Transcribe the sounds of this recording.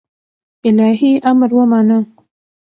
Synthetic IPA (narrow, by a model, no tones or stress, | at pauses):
ɪlɑɦiʔamɾwəmɑnə